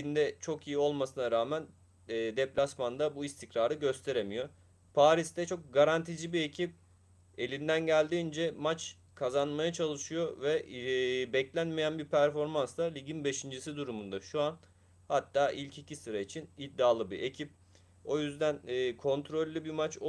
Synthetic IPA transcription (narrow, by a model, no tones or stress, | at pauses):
ind̪ɛt͡ʃʰo̞kijio̞lˠmasɯnaɾaːmænː | d̪ɛplʲasmand̪abuist̪ʰicɾaːɾɯɟø̞st̪ʰe̞ɾemijo̞ | pʰaːɾisd̪ɛt͡ʃʰo̞k̚ɡaɾant̪ʰid͡ʒibie̞cʰip̚ | e̞lʲind̪ænɟælʲd̪iːnd͡ʒɛmat͡ʃ | kʰazanmajat͡ʃʰalˠɯʃɯjo̞vɛ | bɛclʲænmejænbiɾpʰæɾfo̞ɾmansd̪ˠalʲiɟinbe̞ʃind͡ʒisid̪uɾumund̪aʃuan | hat̪ʰːaːʔilʲcʰicʰisɯɾait͡ʃʰinid̪ːaːlˠɯbiʔe̞cʰip̚ | o̞jyzd̪ænːkʰo̞nt̪ʰɾo̞lʲːɯbimat͡ʃ